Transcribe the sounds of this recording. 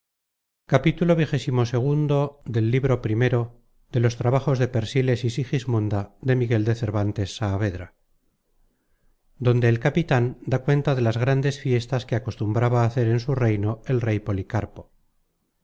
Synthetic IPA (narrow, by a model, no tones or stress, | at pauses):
kapit̪ulo̞β̞ixe̞simo̞se̞ɣ̞und̪o̞ðe̞lːiβɾo̞pɾime̞ɾo̞ | ðe̞lo̞st̪ɾaβaχo̞zðe̞pe̞ɾsile̞sisixizmũnd̪aðe̞miɣe̞ld̪e̞θe̞ɾβant̪e̞sːaːβe̞ðɾa | d̪o̞nd̪eːlkapit̪and̪akwe̞nt̪aðe̞lazɣɾand̪e̞sfje̞st̪askeako̞st̪umbɾaβaːθe̞ɾe̞nsure̞jno̞e̞lre̞jpo̞likaɾpo̞